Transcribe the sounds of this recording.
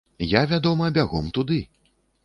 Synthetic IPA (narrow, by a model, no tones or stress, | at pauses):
javʲad̪ɔmɐbʲaɣɔ̰mt̪ud̪ɨ